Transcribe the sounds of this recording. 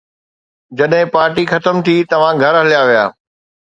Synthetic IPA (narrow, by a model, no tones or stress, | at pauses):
d͡ʑɐɗɦɪ̃paːɾʈixɐt̪əmt̪ʰit̪ɐʋ̤ãɡʱɐɾɦɐljaʋija̰ː